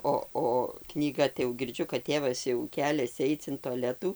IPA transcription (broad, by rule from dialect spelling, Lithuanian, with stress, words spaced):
ˈoː oː knʲiːˈɡɐ tɐɪ jɛʊ ɡʲɪrʲˈd͡ʒʲʊ kɐt ˈtʲeːʋɐs jɛʊ ˈkʲæːlʲɛsʲɪ ˈɐɪt͡s ɪn toːˈlʲæːtuː